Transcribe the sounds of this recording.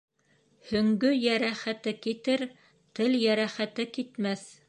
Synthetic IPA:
hɵ̆ŋɡɵjæɾæχæt̪ɘkit̪ɘɾ | t̪ɘljæɾæχæt̪ɘkit̪mæθ

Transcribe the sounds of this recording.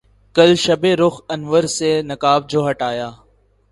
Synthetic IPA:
kəlʃəbeːɾʊxənʋəɾseːnəkaːb̚d͡ʒoːɦəʈaːjaː

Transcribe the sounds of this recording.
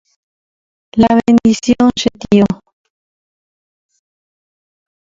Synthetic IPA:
laβend̪isjoŋʃet̪io

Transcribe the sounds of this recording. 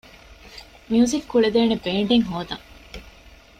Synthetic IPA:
miuːzikːuɭed̪eːnebeːɳɖeŋɦoːd̪ɐŋ

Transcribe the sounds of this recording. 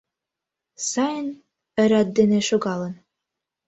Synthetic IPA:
sɑjən | ɘ̆ɾɑd̪ːeneʃoɣɑlɤ̆n

